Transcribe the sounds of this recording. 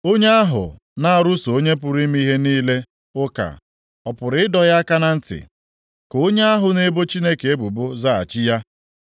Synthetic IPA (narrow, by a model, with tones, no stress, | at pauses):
o˦ɲe˦a˦ɦʊ̰˨ | na˦a˨ɾʊ˦so˨o˦ɲe˦p̬ʊ˨ɾi˦m̩˦i˦ɦe˦niː˦le˦ | ʊ˦ka̰˨ | ɔ˨pʊ˨ɾɪ˦ɪ˦dɔ˨ja˦a˦ka˦na˨n̩˦tɪ̰˨ | ko˨o˦ɲe˦a˦ɦʊ˨ne˦bo˦t͡ʃi˦ne˦ke˨e˦bu˨bʊ˦za˦a̰˨t͡ʃi˦ja˦